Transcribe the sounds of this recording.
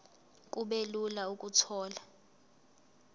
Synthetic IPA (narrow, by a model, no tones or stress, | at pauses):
kʼuɓelulaukʼutʰɔːla